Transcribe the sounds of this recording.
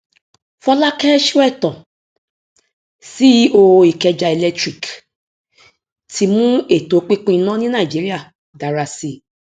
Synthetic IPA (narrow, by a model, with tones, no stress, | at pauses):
fɔ˧la˦kɛ˦ʃɛ˦˨tɔ̃˨ | si˦o˧i˨kɛ˧d͡ʒa˧e˨lɛ˧tɾi˦˨k | tʰi˧mũ˦e˦˨to˨˦k͡pi˦k͡pũ˦i˧nã˦nĩ˦nã˦˨i˨d͡ʒi˨˦ɾi˦a˦˨ | da˨ɾa˧si˦˨